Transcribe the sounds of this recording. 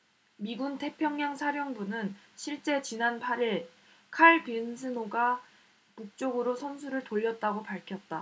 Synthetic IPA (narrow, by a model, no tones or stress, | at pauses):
miɡuntʰe̞pʰjʌŋɲaŋsʰaɾjʌŋbunɯn | ɕʰiɭt͡ɕ͈e̞t͡ɕinanpʰaɾiɭ | kʰaɭpinsʰɯnoɡa | puk̚t͡ɕ͈oɡɯɾosʰʌnsʰuɾɯɭtoʎːʌt̚t͈aɡopaɭkʰjʌt̚t͈a